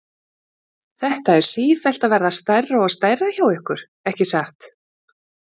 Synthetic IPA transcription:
θɛht̪aɛɾ̥siːfɛl̥t̪avɛːɾðast̪ajraɔɣast̪ajrːaçawɛhkʏɾ̥ | ɛhcɪsaht̪

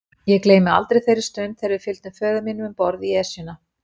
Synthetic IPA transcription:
jɛkleːjmɪa̰lt̪ɾejθejɾɪ̥ɾst̪œnθɛjɾvɪfɪlt̪nʏfœːðaminʏmʏmpɔɾðiɛsɪna

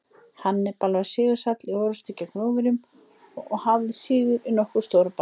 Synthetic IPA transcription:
hanːɪpalvaðsɪːɣʏsat̪lɪoːɾast̪icːakɾoːwvɪɾjʏm | ɔɣhavðɪsɪːɣʏɾʔɪnɔhkʏ̥st̪oːwɾpa

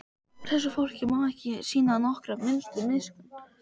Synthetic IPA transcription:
θɛs̬ːʏfowl̥cɪmaɛhcɪsiːnanɔhkɾamɪlt̪ʏɾmɪðsk̪ʏn

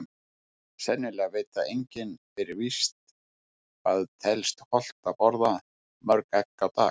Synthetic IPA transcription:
sɛnːɪlɛaveːjt̪aʔejɲcɪnfɪɾɪvist̪ | aðt̪ʰɛlst̪hɔl̥t̪apɔɾða | mœɾkɛkːawt̪a̰ːx

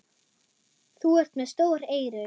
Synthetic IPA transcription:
θuɛr̥t̪mɛðst̪oːwɾeːjɾʏ

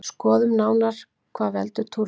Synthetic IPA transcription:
skɔːðʏmnaːwnaɾ̥ | kʰvaːðvɛ̰lt̪ʏt̪ʰuɾ

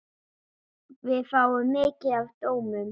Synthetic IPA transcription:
vɪðfaːwʏmːɪːcɪðavt̪oːwmʏm

